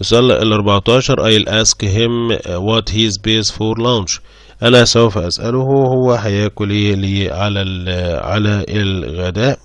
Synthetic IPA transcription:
ɪsʔælːɑʔɪ̰lʔɑɾˤbɑʕt̪ˤɑːʃɑɾˤʔæjɪlʔæskɦɪmwɑt̪hiːzbeːsfoɾlawnʃ | ʔænæsowfæʔæsʔælʊhwhʊwːæħajæːkʊliːliːʕalælʕa̰læɪlɣæd̪æːʔ

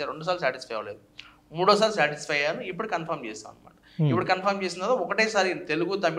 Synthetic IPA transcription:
aɾeɳɖus̬aːlus̬aːʈisfʰɐjʋɐleːd̪u | muːɽoːɐs̬aːlusaːʈisfɐjjaːnuip̬ːuɽukɐnpʰɐɾmt͡ʃɛ̰ːsa̰ːnma̰ːʈɐipːuɽukɐnpʰɐɾmt͡ʃeːs̬ind̪ad̪aɔkɐʈeːsaːɾit̪e̞luɡut̪ɐmːi

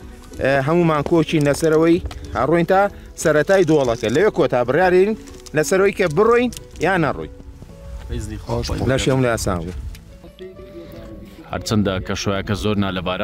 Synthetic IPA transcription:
ɦɐmumaːŋkoːt͡ʃinlɐsɐɾɐwɐjhɐ̰rojnt̪aː | sɐɾɐt̪aːjd̪wlˠɐkɐlɐwekot̪ʰaːbɨrjaːɾiɾin | lɐsɐɾɐwɐjkɐbɨrojn | jaːnɐro̰jn | lɐʃihɐmulɐjaːsa̰ːnɡu | hɐ̰ɾt͡ʃʰɐnd̪akʰɐʃojakɐzoːɾnaːlɐbaːɾa

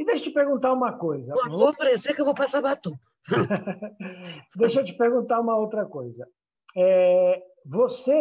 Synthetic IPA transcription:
id̪ejʃɐt͡ʃɪpeɾɡũt̪aɾũmɐkojzɐoɐpɐɾẽsekewvopasapat̪õ | d̪ejʃɐt͡ʃɪ̥peɾɡũnt̪aɾũmɐowt̪ɾɐkojzɐ | ɛ | vose

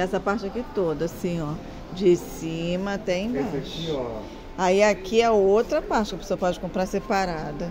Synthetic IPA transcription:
ɛsɐpaɾt͡ʃɪakit̪od̪ɐsĩɔ | d͡ʒɪsĩmɐat̪ɛ̃ẽj̃baeʃi | aiakiaowt̪ɾɐpaɾt͡ʃɪkɐpesoɐpɔd͡ʒɪkõmpɾaɾsepaɾad̪ʊ

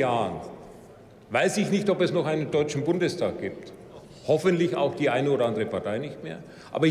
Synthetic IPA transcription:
aːn | vaɪsɪçnɪçtɔpɛsnɔχaɪnəndɔʏt͡ʃn̩bʊndəstʰaːk̚ɡ̥iːp̚t | hɔfəntlɪça̰ʊxd̥iːʔaɪnəoːɾɐʔandəʁəpaɐtʰaɪnɪçtmḛːɐ | ʔa̰ːbɐ

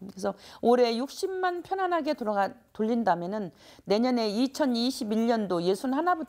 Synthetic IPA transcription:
esʰʌoɾe̞juk̚ɕ͈imːanpʰjʌnɦanɦaɡe̞toɾʌɡatoʎːindamjʌnɯnːe̞ɲʌne̞it͡ɕʰʌniɕʰibiʎʌndoje̞sʰunɯnhanabut

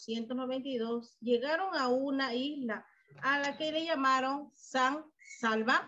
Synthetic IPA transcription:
sjent̪osnoβẽnt̪iðosʝeɣaɾoŋaunaizlaː | lakeleʝamaɾoŋsaŋsalβa

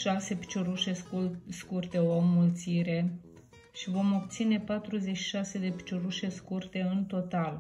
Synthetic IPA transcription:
ʃase̞pi̥t͡ʃoɾuʃeskurt̪e̞omːult̪siɾe̞ | ʃivo̞mo̞pt̪sine̞pat̪ɾuze̞t͡ʃʃi̥ʃase̞d̪e̞pi̥t͡ʃoɾuʃe̞skurt̪e̞ɨnt̪o̞t̪al

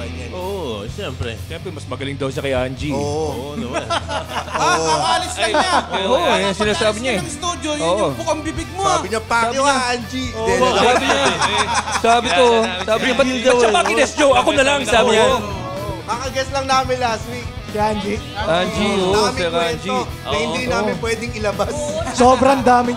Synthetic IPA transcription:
ʔoʔʃɛmpɾɛ̰ʃɛmpɾɛmɐsmɐɡɐlɪŋd̪ɐwʃɐkɐjʔand͡ʒioʔʔoʔoɐmn | aaːlɪsɐaoojsɪnaːsaːbɪɲaʔɛɐŋst̪uːd̪jojoːʔopʊkɐŋbɪbɪɡ̚mosabɪɲapaaːjʊɪɲaɐnd͡ʒiosaːbɪɲa | saːbɪk̪osaːbɪɲɐbɐtd̪ɐɐpɐkɪlɛsɲoʔɐkonɐlaŋsaːbɪɲa | makɐɡɛslɐŋnaːmɪnlaswik̚ | sɛand͡ʒiand͡ʒiʔoːʔosɛɾad͡ʒi | ɐjhɪnd̪inaːɪnpwɛd̪ɪŋɪlɐbassoːbɾɐŋd̪aːmɪ

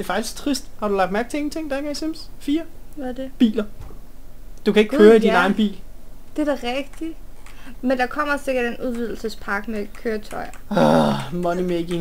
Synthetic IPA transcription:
d̥e̝ɐfɑ̈ɡ̥i̥sɡ̥̚t͡sʰʁisd̥hɑ̈ɾ̥ulɑ̈ɡ̥d̥mæɐɡ̥̚t͡sʰe̝eŋn̩t͡sʰe̝ŋ̰d̥æɡ̥æisemsfiːɐæd̥eb̥ḭːlɐ | d̥ukʰæeɡ̥kʰøːɐidinɑ̈ɪnb̥ḭːld̥e̝d̥æʁɛɡ̥d̥i | mend̥ɑ̈kʰɒ̽m̰ɐse̝ɡ̥ɐd̥enuð̞ˠʋið̞ˠl̩səspʰɑ̈ɡ̥mekʰøːɐt͡sʰɒɪɐ | mɒnimeɡ̥eŋ

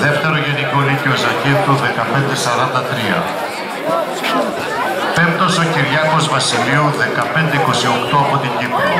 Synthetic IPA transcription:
ðe̞ft̪e̞ɾoʝeniko̞liceozɐciɾt̪uðe̞kɐpe̞nd̪e̞sɐɾɐnd̪ɐt̪ɾiɐ̰ | pe̞mt̪o̞so̞ciɾʝɐko̞zvɐsiliuðe̞kɐpe̞nd̪eiko̞sio̞kt̪oɐpo̞t̪iɲɟipɐ

